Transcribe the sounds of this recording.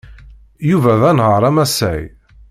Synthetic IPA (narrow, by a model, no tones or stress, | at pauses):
juvæðænʁəɾˤæmæsæ̰j